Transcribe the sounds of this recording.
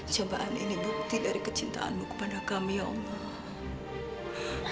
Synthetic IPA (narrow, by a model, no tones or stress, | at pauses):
t͡ʃobaʔanḭnibuk̚t̪idaɾikət͡ʃint̪a̰ʔa̰nmuku̥panakamijɔŋ